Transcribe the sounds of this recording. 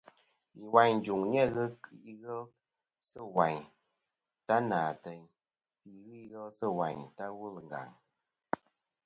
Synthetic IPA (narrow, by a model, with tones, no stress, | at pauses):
i˨wa˨ɲ˨d͡ʒu˨ŋɲɛ˦ɣɨ˦ki˦ɣɛ˦l | sə˦˨wa˨ɲ | ta˦naː˨tə˧ɲ | ki˨ɣɨ˦i˦ɣɛ˦lsə˦wa˨ɲta˦wu˦lŋ̩˨ɡa̰˨ŋ